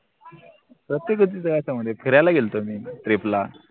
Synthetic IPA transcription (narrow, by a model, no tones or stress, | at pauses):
pɾət̪jekət̪iːd͡zəɡat͡ɕaməd̪ʱːjepʰəɾjalaɡelt̪omiːt̪ɾepla